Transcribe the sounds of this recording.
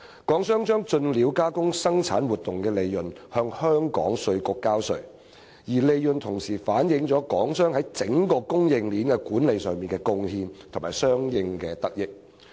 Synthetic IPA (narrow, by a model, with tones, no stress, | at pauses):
kɔː˨˥ŋsœː˥ŋt͡ʃœː˥ŋt͡ʃɵ˧nliː˨˧˥wkaː˥kʊ˥ŋsɐ˥ŋt͡sʰaː˨˥nwuː˨t̪ːʊ˨˩ŋkɛː˧le˨jːɵ˨nhœː˧ŋhœː˥ŋkɔ̰ː˨˥ŋsɵ˧ɥkʊ˨˧kːaː˥wsɵ̰˨˩ɥ | jiː˨˩le˨jjɵ˨nt̪ʰʊ˨˩ŋsiː˨˩faː˨˥njɪ˨˧ŋt͡ʃɔː˨˥kɔː˨˥ŋsœː˥ŋɦɐ˨˥jt͡sɪ˨˥ŋkɔː˧kʊ˥ŋjɪ˨˧ŋliː˨˥nkɛ˧kuː˨˥nle˨jsœː˨ŋmiː˨nkɛː˧kʊ˧ŋhiː˧nt̪ʰʊ˨˩ŋmaː˨˩jsœː˥ŋjɪ˧ŋkɛː˧t̪ɐ˥k̚jɪ˥k̚